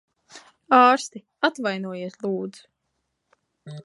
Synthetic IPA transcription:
ɑːɾst̪i | at̪vajnuɔjiɛslˠuːd̪z̥u̥

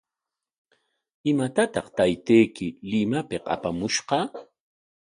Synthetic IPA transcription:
ɪmat̪at̪ɑχt̪ajt̪ejkɪlɪmapɪqa̰pamʊʃqɑ

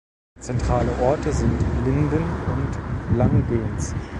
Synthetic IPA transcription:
t͡sɛntʁ̥aːləʔɔɐtəzɪntlɪndənʊntlaŋbeːns

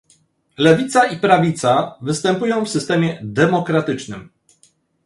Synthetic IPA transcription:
lɛvʲit̪saipɾavʲit̪savɘst̪ɛmpujɔ̃w̃fsɘst̪ɛmʲjɛd̪ɛmɔkɾat̪ɘt͡ʂnɘ̰m

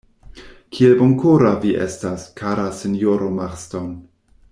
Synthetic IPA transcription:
kʰieboŋkʰoɾaviʔḛstaskʰaɾasinjoɾomaχston

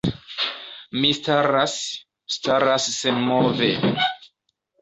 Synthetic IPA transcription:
mistaɾas | staɾasːenmove

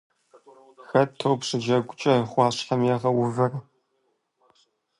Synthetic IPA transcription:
xɐtʰɨwpʂɨd͡ʒɐɡʷʊt͡ʃʼɐχʷɑːɕħɐmjɛʁɐwʊvɐr

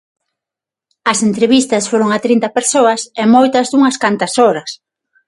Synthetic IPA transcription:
ɐsent̪ɾeβist̪ɐsfoɾoŋɐt̪ɾint̪ɐpeɾsoɐsemojt̪ɐzðuŋɐskant̪ɐsoɾɐs

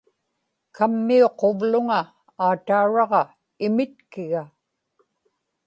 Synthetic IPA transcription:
kamːio̞qo̞vlʊŋa | aːt̪auɻɑʁɑ | ɪmɪt̪kɪɣa

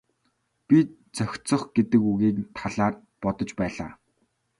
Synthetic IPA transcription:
pʲi | t͡sœxʲt͡sɞ̆χɡ̥et̪ɘ̆kuɣiːnt̪ʰaɮaːr | pɔt̪ɞ̆t͡ɕpæːɮa̰ː

